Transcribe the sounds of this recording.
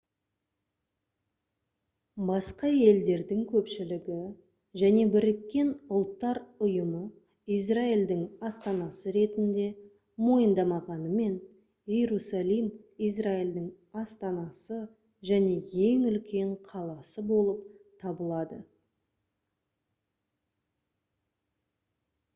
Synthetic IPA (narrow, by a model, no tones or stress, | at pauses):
bɑsqɑje̞ld̪e̞ɾd̪ɪŋkʲʰɵpʃɪlɪɡʲɪ | ʒæne̞bɪɾɪkʲːe̞nʊlˠt̪ːɑɾʊjəmə | ijs̬raild̪ɪŋɑst̪ɑnɑsəɾe̞t̪ɪnd̪e̞ | mo̞jənd̪ɑmɑʁɑnəme̞n | jeɾusalˠijmijs̬raild̪ɪŋ | ɑst̪ɑnɑsə | ʒæne̞je̞ŋʏlkʲʰe̞ɴqʰɑlˠɑsəbo̞lˠəp̚t̪ʰɑbəlˠɑd̪ə